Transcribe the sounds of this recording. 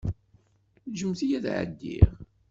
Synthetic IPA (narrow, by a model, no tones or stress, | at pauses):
ʒəmθijæðʕə̰d̪ːḭʁ